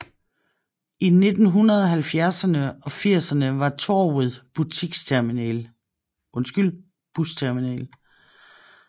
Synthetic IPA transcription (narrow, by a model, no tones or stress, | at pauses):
ine̝d̥n̩ɦunɐðˠɒ̽ɦælfjæɐsɐnəɒ̽fiɐ̰sɐnəʋɑ̈t͡sʰoːuðˠb̥ut͡sʰiɡ̥sʰeɐmiɛ̰ːl | ʔɔ̽nsɡ̥yl̰ | b̥ust͡sʰeɐminɛ̰ːl